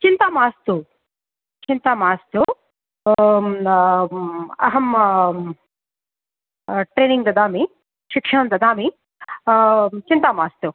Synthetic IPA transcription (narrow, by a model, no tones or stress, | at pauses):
t͡ʃint̪aːmaːst̪u | t͡ʃint̪aːmaːst̪u | ɐ̰ɦɐm | ʈɾeːniŋɡd̪ɐd̪aːmi | ʃikʂɐɳɐmd̪ɐd̪aːmi | t͡ʃint̪aːmaːst̪u